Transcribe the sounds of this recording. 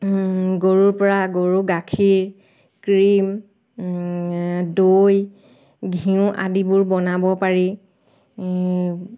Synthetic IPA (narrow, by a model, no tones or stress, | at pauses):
ɡoɹuɹpɔɹaɡoɹuɡakʰiɹ | kɹim | doj | ɡʱiʊ̃ʔa̰dibʊɹbɔnabɔpaɹi